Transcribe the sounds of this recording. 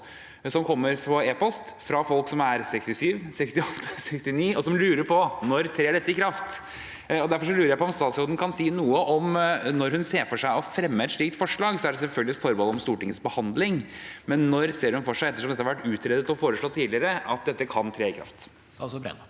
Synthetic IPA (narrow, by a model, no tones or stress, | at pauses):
sɔmkʰɔmːəɾfɾɔeːpɔst̪fɾɑfɔlksɔmæɾsɛkst̪ɪsyːʋsɛkst̪ɪɔt̪ːsɛkst̪ɪniːɔsɔmlʉːɾəɾpʰɔnɔɾt̪ʰɾeːɖɛt̪ːəɪkʰɾɑft̪ | ɔd̪æɾfɔɾʂɔlʉːɾəɾjæɪpʰɔmst̪ɑːt̪sɔd̪nkʰɑnsiːnuːəʔɔmnɔɾhʉnseːfɔʂæɪɔfɾɛmːəɛt̪ʂɭiːk̚t̪fɔʂɭɑːɡsɔæɖɛsɛlfœlɡəlɪɛt̪fɔɾmɔlɔmst̪uːʈɪŋːəsbəhɑnd̪lɪŋmɛnːɔɾseːɾhʉnfɔʂæɪɛt̪ːəʂ̬ɔmɛt̪ːhɑʋæʈːʉːt̪ʰɾeːd̪ət̪ɔfoːɾəʂɭoːt̪ʰiːlɪəɾəɑt̪̚d̪ɛt̪ːəkʰɑnt̪ʰɾeːɪkʰɾɑ̰ft̪ | sbɾɛ̰n